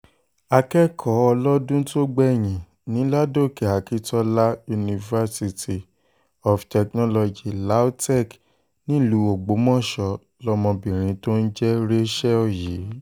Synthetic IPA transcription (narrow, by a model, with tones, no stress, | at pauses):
a˧kɛ˦kʰɔ˨˦ɔ˧lɔ˦dũ˦to˦ɡ͡bɛ˦˨j̃ĩ˨ | nĩ˨˦la˦do˦˨ke˨a˨ki˦tɔ˦la˦ju˧nĩ˧va˧si˧ti˨ | ɔ˨ftɛ˨knɔ˦lɔ˧d͡ʒi˨la˨˦tɛ˦˨k | nĩ˦lu˨˦o˨ɡ͡bo˨˦mɔ̃˦˨ʃɔ˧ | lɔ˦mɔ̃˧bĩ˨ɾ̃ĩ˧to˦n̩˦d͡ʒɛ˦ɾe˦ʃɛ˦ɔ˦˨ji˨˦